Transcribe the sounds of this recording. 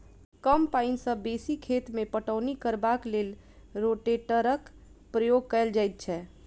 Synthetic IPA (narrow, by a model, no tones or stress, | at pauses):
kəmpaɪnsə̃besikʰet̪mepəʈəːnikəɾbaklel | ɾoʈeʈəɾək | pɾəjoɡ̚kəɪld͡ʒajt̪̚t͡ʃʰɛ